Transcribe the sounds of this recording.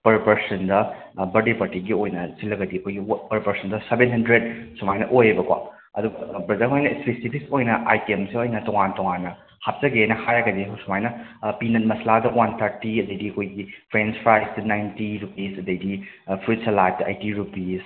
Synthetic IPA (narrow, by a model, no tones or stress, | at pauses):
pɐɾpɐɾsɐndɐ | bɐɾdepɐɾtiɡiojnɐsilːɐɡɐdiɐkʰojɡipɐɾpɐɾsɐndɐsebenɦɐndɾed̚sumajnɐ̰ʔojbɐkwa̰ | ɐduɡɐbɐdɐɦojnɐspesipʰiksojnɐʔajkemseojnɐtɔŋantɔŋanːɐ | hap̚zɐɡenɐhajɾɐɡɐdiɐɦɐwsumajnɐpinɐtmɐsladɐwant̪ʰɐɾtiɐdɐjdiɐkʰojɡipʰɾenspʰɾajsdɐnajntiɾupisɐdɐjdi | pʰɾut̚sɐlatːa̰jtiɾupis